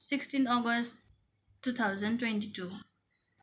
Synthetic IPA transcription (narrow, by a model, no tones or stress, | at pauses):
sɪkstĩnt̪ɔɡəst | tːut̪ʰaʊzə̃ntwɛ̃ntitʰu